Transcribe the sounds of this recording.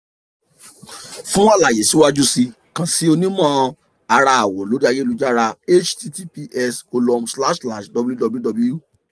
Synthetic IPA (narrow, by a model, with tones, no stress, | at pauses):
fũ˦wã˦la˨je˨si˨˦wa˦d͡ʒu˦si˧ | kã˧si˦o˧nĩ˦mã˦˧ | a˧ɾa˧a˨wo˨lo˨˦da˧ɡe˦˨lu˨˦d͡ʒa˦ɾa˧e˦t͡ʃti˧ti˦pi˧ʔɛ˧sko˧lɔ˧msla˦ʃsla˨ʃdɔ˧bu˦dɔ˧bu˦dɔ˧blju˦˨